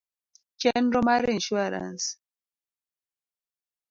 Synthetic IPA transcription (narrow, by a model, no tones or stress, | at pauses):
t͡ʃɛndɾɔmaɾinʃuaɾa̰ns